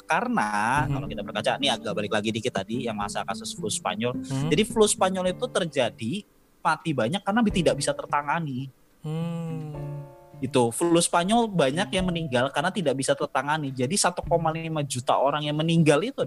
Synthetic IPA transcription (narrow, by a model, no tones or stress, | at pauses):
kaɾənakalokit̪abərkat͡ʃaniaɡaʔbalɪklaɡidikɪt̪ːadijaŋmasakasʊsflʊspa̰ɲɔld͡ʒadiflʊspaɲɔlit̪ut̪ərd͡ʒadi | mat̪ibaɲakːarənabiht̪idaʔbisat̪ərt̪aŋani | ɡit̪uflʊspaɲɔlbaɲakjaŋməniŋɡalkarənat̪idaʔbisat̪ərt̪aŋanid͡ʒadisat̪ukomalimad͡ʒut̪a̰ʔoɾaŋjaŋməniŋɡalit̪u